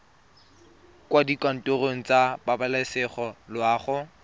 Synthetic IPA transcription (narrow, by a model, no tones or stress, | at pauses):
kwadikan̩toroŋ̩t͡sababalasɪχɔlwaːχʊ